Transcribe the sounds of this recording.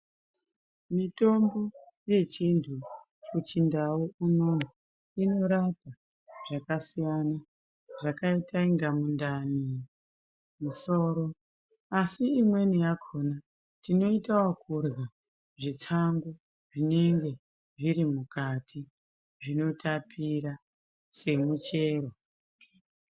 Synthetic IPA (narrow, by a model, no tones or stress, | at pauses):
mito̞mbo̞ | je̞t͡ʃintʰu | t͡ʃut͡ʃindawuunom | ino̞ɾata | ʐ̥akasijana | ʐakaitaiŋɡamundani | muso̞ːɾo̞ | asiːmwe̞nijakʰo̞na | tino̞itawakʰurɣa | ʐit͡saŋɡu | ʐine̞ŋɡe̞ | ʐiɾimukatʰi | ʐino̞tapʰiɾa | se̞mut͡ʃe̞ːɾo